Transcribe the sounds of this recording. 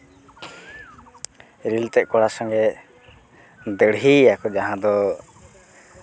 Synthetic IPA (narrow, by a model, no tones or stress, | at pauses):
ɾilt̪ɛʔ̚kɔɽasɔŋɡɛ | d̪əɽɦiakɔd͡ʒaɦãd̪ɔ